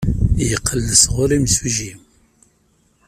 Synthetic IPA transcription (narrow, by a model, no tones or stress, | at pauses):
jəqʰːəlːəsʁʊɾimsiʒim